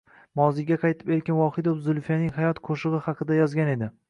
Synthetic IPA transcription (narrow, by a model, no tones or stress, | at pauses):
mɒzɪɡʲaqʰɑjt̪ʰɪ̥peɾkʲanwɒhɪd̪ozʊlˠfijanɪŋhajɒt̪qʰoʃɨʁɨhɑqʰɨd̪ajɒzɡʲane̞d̪ɪ